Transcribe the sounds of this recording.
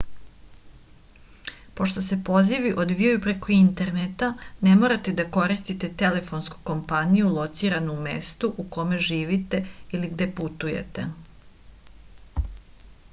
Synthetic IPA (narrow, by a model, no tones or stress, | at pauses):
po̞ʃt̪o̞se̞po̞ziʋiʔo̞d̪ʋiojupɾe̞ko̞int̪e̞ɾnet̪ane̞mo̞ːɾat̪e̞d̪ako̞ɾist̪it̪e̞t̪e̞le̞fo̞nsku̥ko̞mpanijulˠo̞t̪siːɾanuumest̪uʔuko̞me̞ʒiːʋit̪e̞iliɡd̪e̞put̪ujḛt̪e